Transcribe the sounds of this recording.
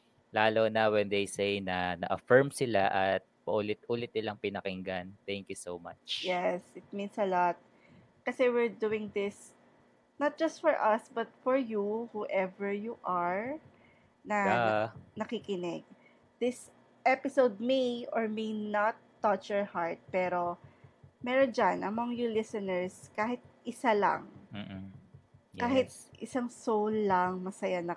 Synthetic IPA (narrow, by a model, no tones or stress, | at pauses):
laːlonɐwɛnd̪ejsejnɐnɐ̰ʔɐfɛɹmsɪla̰ʔɐt̪̚pɐʔulɪt̪̚ʔuːlɪt̪̚nɪlaŋpɪnɐkɪŋɡant̪ɛŋkjusoma̰t͡ʃjɛsɪt̪̚mĩnsɐlɔt̪̚ | kɐsɛwɪɹd̪uɪ̃ŋd̪ɪs | nɐt̪̚d͡ʒɐst̪fɔɹʔɐsbɐt̪̚fɔɹjuhuʔɛvɛɹjuʔaɹ | nɐ | nɐkikɪnɛɡ̚ | d̪̥ɪs | ʔɛpɪsowd̪̚mejɔɹmejnat̪ːɐt͡ʃjɔɹhaɹt̪̚pɛːɾo | mɛɾod͡ʒanʔɐmɐŋjulɪsɐnɛɹskaːhɪt̪̚ʔɪsalɐ̰ŋ | kaːɦɪt̪ʔɪsaŋsowlːɐŋmɐsɐjanɐ